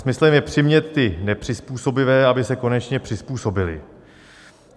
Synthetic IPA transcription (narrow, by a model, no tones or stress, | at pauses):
smɪslɛmjɛpr̥ɪmɲɛt̪ːɪnɛpr̝̥ɪspuːso̞bɪvɛːʔabɪsɛko̞nɛt͡ʃɲɛpr̥ɪspuːso̞bɪlɪ̰